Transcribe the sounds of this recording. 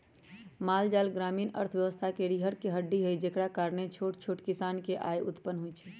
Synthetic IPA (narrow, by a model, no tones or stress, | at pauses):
maːld͡ʒaːlɡɾaːmiːnə̰ɾt̪ʰʋjəʋəst̪ʰakeɽiɦəɾkeɦəɖːiɦəjd͡ʒekɽakaːɾnet͡ʃʰoːʈt͡ʃʰoːʈkisaːnkeʔa̰jʔʊ̰t̪pənːɦujt͡ʃʰɛ